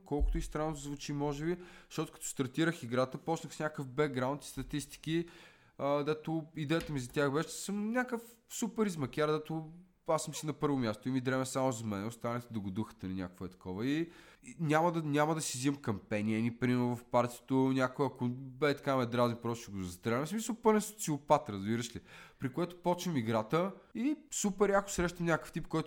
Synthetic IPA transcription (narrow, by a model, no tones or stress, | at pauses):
kɔlˠkʊ̥t̪ʊist̪ɾanːod̪ɐzvut͡ʃimɔʒɛbiʃt̪ɔt̪ʊ̥kɐ̥t̪ɔ̥st̪ɐɾt̪iɾəxiɡɾat̪əpɔt͡ʃnəxsnʲakəfbɛɡ̚ɡɾaʊnt̪i̥st̪ɐt̪ist̪i̥k̟i | əd̪ɛt̪ʊid̪ɛjət̪əmizɐt̪ʲaxbɛʃt̪ɛsəmnʲakəf | supɛɾizmɐkʲaɾd̪ɛt̪ʊ | asəmsinɐpɤɾvʊmʲjast̪oimid̪ɾɛmɛsamʊzɐmɛnɛʊst̪anət̪ɛd̪ɐɡʊd̪uxə̥t̪ɐninʲakkvoɛt̪ɐ̥kɔvəi | nʲaməd̪nʲaməd̪ɐsizimkɐmpɛniənipɾimnvɐfpaɾt̪ʲit̪onʲakojɐkʊbɛt̪ɐ̥kamɛd̪ɾazipɾɔʃɛɡʊzɐst̪ɾɛɾɛmsmisəlˠpɤlɛso̥t̪siʊpat̪ɾɐzbiɾəʃlipɾikoɛt̪ʊ̥pɔt͡ʃnəmiɡɾat̪əisupɛɾakʊ̥sɾɛʃt̪ɐmnʲakə̥ft̪ip̚kɔjt̪